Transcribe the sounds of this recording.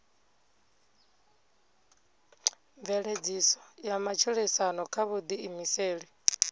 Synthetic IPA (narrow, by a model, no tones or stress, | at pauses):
ɱvɛɺed͡zisɔ̥jamat͡ʃʰuɺɛsanɔkʰaβud̪iimiseːɺi